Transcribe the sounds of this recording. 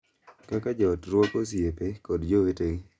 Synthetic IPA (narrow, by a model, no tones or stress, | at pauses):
kakad͡ʒɔtɾwokos̬iepekɔdd͡ʒoeteŋ